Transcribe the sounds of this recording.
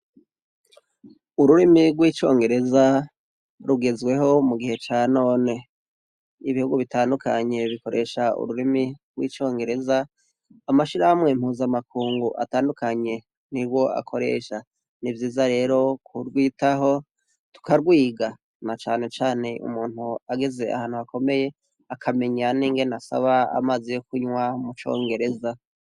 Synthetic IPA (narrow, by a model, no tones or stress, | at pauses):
uɾuɾimiɾɡwiːt͡ʃo̞̰ːŋɡe̞ɾe̞za | ɾuɡe̞zwe̞ɦo̞muɡihe̞t͡ʃaːno̞ːne̞ | iβihuɡuβitaːndukaɲe̞βiko̞ɾe̞ːʃaṵɾuɾimiɾɡwḭːt͡ʃo̞ːŋɡe̞ɾe̞za | amaʃiɾahamŋe̞m̥huːzamakuːŋɡuʔa̰taːndukaɲe̞ | niɾɡwo̞ʔa̰kʰo̞ɾe̞̰ːʃa | nivjiːzaɾe̞ːɾo̞kʰuɾɡwiːtaɦo̞ | tu̥kaɾɡwiːɡa | nat͡ʃaːne̞t͡ʃaːne̞ʔṵmuːn̥huaɡeze̞a̰haːn̥huhako̞me̞je̞ | akʰame̞ɲaniːŋɡe̞nasa̰βaa̰maːzijokuɲwamut͡ʃo̞̰ːŋɡe̞ɾe̞za